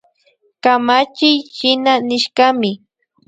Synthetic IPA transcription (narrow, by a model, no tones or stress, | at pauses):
kamat͡ʃɪjʃɪnanɪʃkamɪ